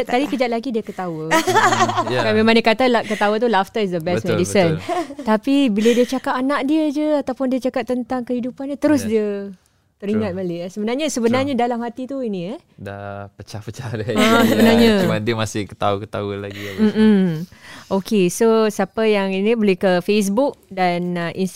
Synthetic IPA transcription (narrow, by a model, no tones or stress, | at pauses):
t̪adikəd͡ʒaʔ̚laɡidiəkət̪awə | kamemãŋdiəkat̪alakət̪awət̪ulaaft̪əis̬dəbɛstmɛdisənt̪apibilədiət͡ʃakat̪anak̚diəd͡ʒəat̪awpʊndiət͡ʃakap̚t̪ənt̪aŋkəɦidupandiət̪əɾʊs̬diə | t̪əɾiŋat̪̚balɪʔəsəbənarɲasəbənarɲadalamhat̪it̪uinĩə | dapət͡ʃahpət͡ʃahdəasəbənaɲamandiəmasɪhkə̥t̪a̰ukət̪a̰ula̰ɡim̩ʔ | okesosapəjaŋinibəlikəfes̬buk̚danəʔins